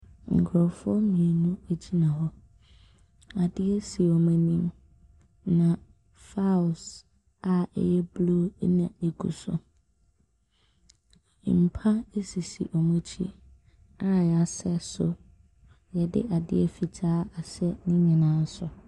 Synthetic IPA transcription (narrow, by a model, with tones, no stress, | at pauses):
ŋ̩˨kʰʊ˨ɾɔ˨fʊ˦ɔ˦mĩ˨e˨nũ˦e˨d͡ʑi˦nã˨ɦɔ˦ | a˨dɪ˦ɛ˦si˨ɔ˨mɛ̃˨nĩ˦m | nã˨ | fa˦ʊ˨s | a˨ɛ̰˨jɛ˦blo̰˦nã̰˨e˨kʰṵ˨sʊ̰˨ | m̩˨pʰa˦e˦si˨sḭ˨ʔɔ˨mũ˦t͡ɕʰḭ˦ | a˦jɛ˨a˨sɛ˦sʊ˦ | jɛ˨dɪ̰˦ʔa˨dɪ̰˦ɛ˦fi˨d͡ʑʰaː˦a˨sɛ˦nĩ˦mɛ̃˨nã˨˦n̩˦sʊ˨